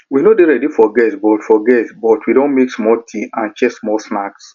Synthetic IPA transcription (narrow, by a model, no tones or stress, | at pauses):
winodeɹɛdifɔɡɛtbɔtfɔɡɛtbɔtwidõnmeksmɔltʰiãnt͡ʃɛksmɔlsnaks